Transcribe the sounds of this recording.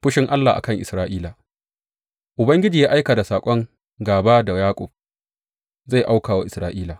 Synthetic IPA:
ɸʊ˦ʃɪ˦ŋʔa˦lːa˨ʔa̰˨kɐ˦ŋʔɪ˨sɾaː˦ʔiː˦laː˨ | ʔʊ˨bɐ˦ŋɡʲɪ˦d͡ʒiː˨jaː˦ʔa˦jka˨da˨saː˨kʷʼɔ˦ŋ | ɡaː˨baː˦da˨jaː˦kʷʼʊ̰˨b̚ | za˦˨ʔa˦wkaː˨wa˦ʔɪ˨sɾaː˦ʔiː˦laː˨

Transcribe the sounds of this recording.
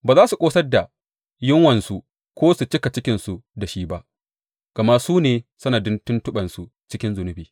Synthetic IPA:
baː˨zaː˦su˨kʷʼoː˦sɐ˦rda˨ | jɪ˦ŋwɐ˨nsu˦ | kʷoː˦su˨t͡ʃɪ˦ka˨t͡ʃɪ˦kʲɪ˨nsu˨da˨ʃiː˦ba˦ʔ | ɡ̥ɐ˨ma˦suː˦neː˨sʊ˦naː˨dɪ˦ntʊ˦ntʊ˦ɓɐ˨nsu˨ | t͡ʃɪ˦kʲɪ˦nzʊ˨nʊ˦biː˨

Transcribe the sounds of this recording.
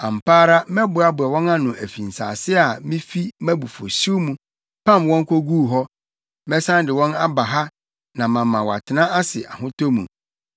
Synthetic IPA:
ã˨m̩˨pʰaː˦ɾa˦mɛ˦bʊ˨a˦bʊ˨ɛ˨wɔ̃˦na˦nʊ̃˨ʔæ˨fi˨n̩˨sa̰ː˨sɪ˦a˨mĩ˦fi˦mæ̃˦bu˨fo̰˨su˦mũ˦ | pʰã˦˨mwɔ̃˦ŋ˦kʰʷo˦ɡuː˦˨ɦɔ˦ | mɛ˦sã˦ndɪ˨wɔ̃˦na˦ba˨ɦa˦ | nã˨mã˨mã˨wɔ˨a̰˨tʰɪ˨nã˦ʔa˦sɪ˨ʔa̰˨ɦʊ̃˦tʰo˦mṵ̃˨

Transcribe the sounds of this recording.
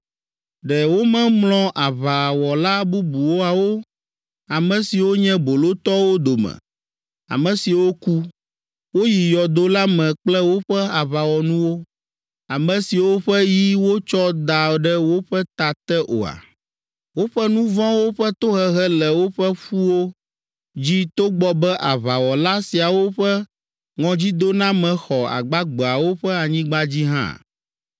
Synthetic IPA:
ɖɛ˨wo˦mɛ̃˦mlɔ̃˦ʔa˨βa˨wɔ˨la˦bu˦bu˨wo˦a˨wo˦ | a˨mɛ̃˨si˨wo˦ɲɛ̃˦bo˨lo˦t̪ɔ˦wo˦d̪o˨mɛ̰̃˨ | a̰˨mɛ̃˨si˨wo˦ku˦ | wo˦ji˨jɔ˨d̪o˦la˦mɛ̃˨k͡plɛ˦wo˦ɸɛ˦a˨βa˨wɔ˨nũ˦wo˦ | a˨mɛ̃˨si˨wo˦ɸɛ˦ji˦wo˦t͡ʃɔ˦d̪a˨ɖɛ˦wo˦ɸɛ˦t̪a˨t̪ɛ˦ʔo̰˨a̰˨ | wo˦ɸɛ˦nũ˦vɔ̃˦wo˦ɸɛ˦t̪o˦ɦɛ˦ɦɛ˦lɛ˨wo˦ɸɛ˦ɸu˦wo˦ | d͡ʑi˦t̪o˦ɡ͡bɔ˦bɛ˦ʔa˨βa˨wɔ˨la˦si˨a˨wo˦ɸɛ˦ | ŋɔ̃˨d͡ʑi˦d̪o˦nã˦mɛ̃˨xɔ˨a̰˨ɡ͡ba˦ɡ͡bɔ˨a˨wo˦ɸɛ˦a˨ɲĩ˦ɡ͡ba˦d͡ʑi˦ɦã̰˦˨

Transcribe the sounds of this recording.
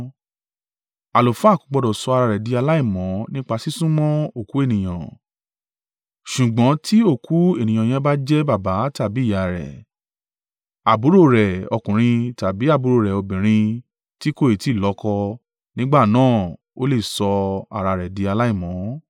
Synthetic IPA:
a˨lo˨fkũ̥˨˧˦ɡ͡bɔ˧dɔ˨sɔ˧a˧ɾa˧ɾɛ˨di˧a˧la˦i˦˨mɔ̃˨˦nĩ˦k͡pa˧si˦sũ˦mɔ̃˦o˦˨ku˨˦e˦˨nĩ˨j̃ã̰˨ | ʃu˨ɡ͡bɔ̃˨˦ti˦o˦˨ku˨˦e˦˨nĩ˨j̃ã˨j̃ɛ̃˧˦ba˦d͡ʒɛ˦ba˦˨ba˨˦ta˦˨bi˨˦˨a˨ɾɛ̰˨ | a˨bu˨˦ɾo˦˨ɾɛ˨ɔ˧kũ˨ɾ̃ĩ˧ta˨bi˨˦a˦˨bu˨˦ɾo˦˨ɾɛ˨o˧bĩ˨ɾ̃ĩ˧ | ti˦ko˦˨e˨ti˦˨lɔ˨˦kɔ˧ | nĩ˦ɡ͡ba˦˨nãː˦˨ | o˦le˦˨sɔ˧a̰˨ɾa˧ɾɛ˨di˧a˧la˦i˦˨mɔ̃˨˦

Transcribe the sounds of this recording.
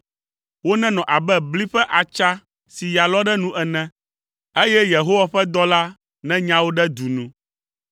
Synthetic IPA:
wo˦nɛ̃˦nɔ̃˨ʔa˨bɛ˦bli˦ɸɛ˦ʔa˨t͡ʃa˦ | si˨ja˨lɔ˦ɖɛ˦nũ˦ʔɛ˨nɛ̃˦ | e˦jɛ˦je˨ɦo˦wa˦ɸɛ˦d̪ɔ˦la˦ | nɛ̃˦ɲã˦wo˦ɖɛ˦d̪u˨nũ˦

